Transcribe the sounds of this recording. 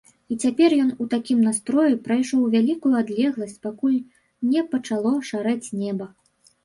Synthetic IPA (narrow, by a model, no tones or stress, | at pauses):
it͡sʲapʲɛrjɔnut̪akʲimnast̪ɾɔjupɾajʂɔwvʲalʲikujuad̪lʲɛɣlˠɐsʲt͡sʲpakulʲ | nʲɛpɐt͡ʂalˠɔʂaɾɛt͡sʲnʲɛbɐ